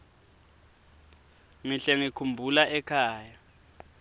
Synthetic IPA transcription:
miɬɛŋikʰumbʱulaʔɛkʰaːja

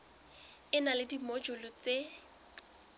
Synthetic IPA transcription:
ɪnalɪdimod͡ʒɔlɔt͡se

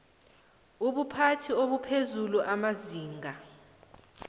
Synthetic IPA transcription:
uɓupʰatʰioɓupʰezuluʔamaziːŋʱa

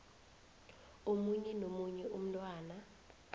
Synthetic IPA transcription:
omuɲɛnomuɲɛʔum̩tʼwaːna

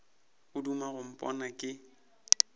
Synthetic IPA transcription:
ʊdumaɣʊm̩pʼɔ̰nakʼɪ

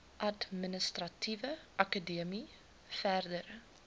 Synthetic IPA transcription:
ʔɐdminəstrɐtʰivəʔɐkədiəmi | færdəɾ

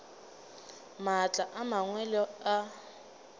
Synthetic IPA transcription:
mat͡ɬʼaʔamaŋwɛlɔa

